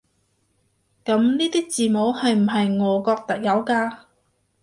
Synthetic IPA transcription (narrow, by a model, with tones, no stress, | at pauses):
kɐ˨˧˥mniː˥t̪iː˥k̚t͡siː˨mo˨˧˥whɐ˨jm̩˨˩ɦɐ˨jŋɔː˨˧kɔː˧k̚t̪ɐ˥k̚jɐ˨˧wkaː˧